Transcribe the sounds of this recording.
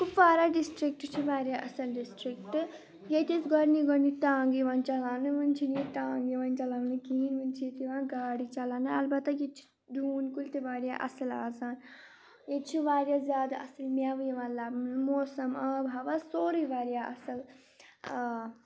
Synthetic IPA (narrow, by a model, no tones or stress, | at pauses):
kʰubʋaːɾaɖisʈɾik̚ʈt͡ʃʰiʋaːɾʲjaʔɐsɐlɖisʈɾik̚ʈɨ | jet̪isɡɔɾniɡɐnit̪ãːŋɡiʋãːnt͡ʃɐlaːnɨʋɐnt͡ʃʰinit̪aːŋɡiʋãːnt͡ʃɐlaːnɨkiinʋɨnt͡ʃʰiet̪iʋãːnɡaːɽit͡ʃɐlaːnɨɐlbɐt̪ːɐjet͡ʃʰi̥ | d̪ʱuːnkult̪iʋaːɾja̰ʔɐ̰sɐla̰ːsaːn | jet͡ʃʰiʋaːɾjaːzjaːd̪aʔɐsɐlmjaːʋɨjiʋãːnlaːmoːsɐmɐbʱaʋasoːɾiʋaːɾjaʔɐsɐl